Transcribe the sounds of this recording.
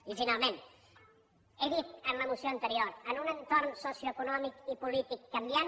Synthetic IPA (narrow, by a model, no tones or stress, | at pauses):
izinalmen | eðit̪ənləmusjoant̪əɾioɾənunent̪oɾrnsosjoekunɔmikipulit̪ikːambjan